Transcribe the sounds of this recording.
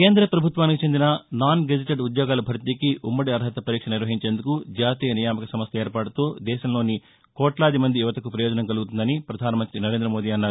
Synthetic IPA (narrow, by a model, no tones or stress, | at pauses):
keːnd̪ɾɐpɾɐbʱut̪ʋaːnikit͡ʃe̞nd̪inɐnaːnɡed͡ʒɐʈeɖud̪jɔːɡaːlɐbʱɐɾt̪ikiʔumːɐɽiɐɾɦɐt̪ɐpɐɾiːkʂɐnɐniɾʋɐɦiɲt͡ʃe̞ːnd̪ukud͡ʒaːt̪iːjɐnijaːmɐkɐsɐmɐst̪ɐeːɾpaːɽut̪oːd̪ɛːʃɐmlo̞ːni | kɔːʈlaːd̪imɐnd̪ijuʋɐt̪ɐkupɾɐjoːd͡ʒɐnɐŋkɐluɡut̪und̪ɐnipɾɐd̪ʱaːnɐmɐnt̪ɾinɐɾe̞ːnd̪ɾɐmo̞ːd̪iːɐnːaɾ